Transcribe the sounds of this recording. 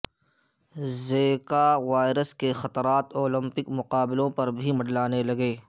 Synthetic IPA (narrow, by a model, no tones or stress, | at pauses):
zeːkaʋaːɪɾəskexɐt̪ɾaːt̪oːlɪ̃mpɪkmʊqaːbɪlõpɐɾbʱimɐɖlaːnelɐɡeː